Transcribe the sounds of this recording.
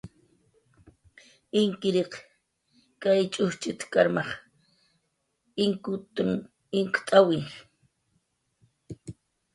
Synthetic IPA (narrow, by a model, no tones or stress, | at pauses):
ɪŋkɪɾeq | kajt͡ʃʼʊht͡ʃɪt̪ḁkaɾmɑχ | ɪŋkʊt̪ʊŋ | ɪŋkt̪ʼawɪj